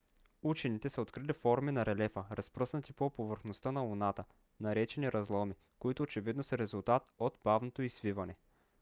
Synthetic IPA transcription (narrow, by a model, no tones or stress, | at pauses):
ut͡ʃɛnit̪ɛsəot̪kɾilifɔɾminɐɾɛlɛfəɾɐspɾɤsnət̪ipopovəɾxnost̪ənɐlˠunat̪ə | nɐɾɛt͡ʃɛniɾɐzlˠɔmi | koit̪ʊːt͡ʃɛvid̪nosɐɾɛzʊlˠt̪at̪ot̪b̥avnot̪oizvivɐnɛ